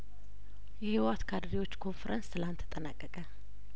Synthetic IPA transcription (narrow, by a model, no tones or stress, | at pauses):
jɛhiwat̪kʰad̪ɾiwo̞t͡ʃːkʰo̞nfeɾənstɨlant̪ʰə̥t̪ʼənakʼːəkʼə